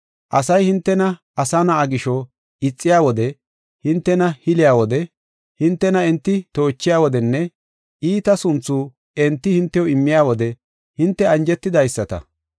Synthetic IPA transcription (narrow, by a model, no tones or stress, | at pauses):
ʔɐsɐjhɪnt̪ːɛnɐʔɐsɐnɐːɡɪʃɔ | ɪt͡sʼːɪjaːwɔd̪ɛ | hɪnt̪ːɛnɐhɪlɪjaːwɔd̪ɛ | hɪnt̪ːɛnɐɛnt̪ːɪt̪o̞ːt͡ʃːɪjaːwɔd̪ɛnːɛ | ʔiːt̪ɐsʊnt͡sːuː | ɛnt̪ːɪhɪnt̪ːɛjoɪmːɪjaːwɔd̪ɛ | hɪnt̪ːɛɐnd͡ʒɛt̪ːɪd̪ɐjsːɐt̪ɐ̰